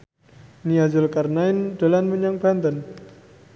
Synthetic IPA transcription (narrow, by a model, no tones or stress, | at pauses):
niad͡ʒʊlkarnaɪndəlanməɲaŋb̥a̤nt̪ən